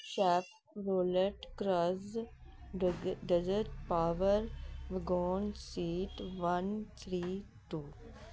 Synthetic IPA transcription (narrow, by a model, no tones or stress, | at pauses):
ʃɛːf | ɾoːləɾʈkɾaz | ɖɛzəɾʈpaːʋəɾʋɪɡoːnsiːʈʋɐnt̪ʰɾiː | ʈuː